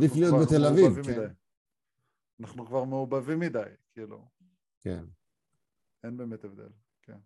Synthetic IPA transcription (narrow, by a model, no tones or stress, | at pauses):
d̪iflijot̪̚bet̪elavivvimd̪aj | anaχnukvaʁmeubavimːid̪ajkʰiːlṵ | kḛn | enbeːmet̪evd̪e̞̰l | ken